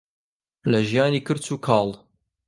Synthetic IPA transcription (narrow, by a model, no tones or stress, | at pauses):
læʒjanikəɾt͡sukʰɑlˤ